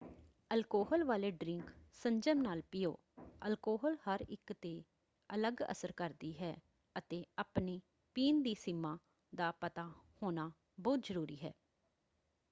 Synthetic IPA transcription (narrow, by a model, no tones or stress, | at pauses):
əlkoːɦəlʋaːleːɖɾɪ̃ŋksəɲd͡ʒəmnaːlpɪjo̰ː | əlkoːɦlhəɾɪ̰kt̪eː | ələɡə̰səɾkəɾd̪iːɦɛː | ət̪eːaːpniː | piːnd̪iːsɪmːãː | d̪aːpət̪aːhoːnaː | bɔːt̪zəɾuːɾiːɦɛ̰ː